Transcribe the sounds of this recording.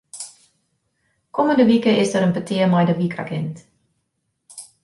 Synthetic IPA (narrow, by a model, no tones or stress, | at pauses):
koməndəʋikəɪsdəɾənpətɪəmɛjdəʋikʰa̰kɪnt